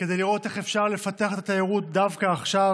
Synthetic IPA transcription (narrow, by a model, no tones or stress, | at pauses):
ked̪ejliʁo̞t̪e̞χefʃaʁle̞fat̪eaχet̪at̪ajiʁut̚d̪avkaːχʃav